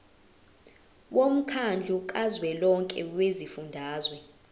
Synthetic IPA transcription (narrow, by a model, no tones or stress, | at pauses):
wʔom̩kʰand͡ɮʱukʼazwɛlɔŋkʼɛwezifundʱaːzwɛ